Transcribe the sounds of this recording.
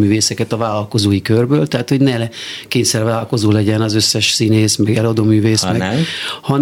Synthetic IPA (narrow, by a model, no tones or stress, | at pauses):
myːveːsɛkɛt̪ɒvaːlɒlko̞zoːjikørbøːlt̪ɛat̪ho̞ɟnɛlɛkeːɲsɛrvaːlɒlko̞zoːlɛɟɛnɒzø̞sːɛʃsineːsmɛɡɛlɒd̪oːmyːveːsmɛhɒn